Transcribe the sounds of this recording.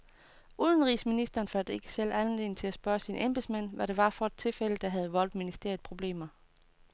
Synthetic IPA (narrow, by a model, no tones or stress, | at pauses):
ʔuːð̞ˠənʁiːsminisd̥ɐːnfæld̥e̝ɡ̥ə̥sel̰ænle̝n̩t͡sʰe̝læsb̥ɶɐsinʔemb̥esmæn̰ʋæɾe̝ʋɑ̈fɒ̽d̥̚t͡sʰe̝lfel̰əd̥ɑ̈ɦæð̞̩ˠʋɒ̽l̰d̥minisd̥e̝ɐ̰ið̥̩ˠpʰʁo̝b̥le̝̰ːmɐ